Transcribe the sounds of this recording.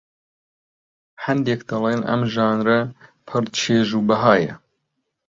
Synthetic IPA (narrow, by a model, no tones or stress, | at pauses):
hɐnd̪ekd̪ɑlˠenʔɐ̰mʒɑːnɾɛpʰɨɾt͡ʃʰeːʒuːbɐɦɑːjɛ̰